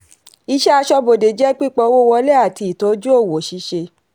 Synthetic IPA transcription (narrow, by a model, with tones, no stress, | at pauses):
i˧˦ʃɛ˦a˧ʃɔ˧bo˨de˨d͡ʒɛ˨˦k͡pi˦˨k͡pɔ˧˦wo˦wɔ˧˦lɛ˦a˦˨ti˧i˨to˨˦d͡ʒu˦o˦˨wo˨ʃi˧˦ʃe˧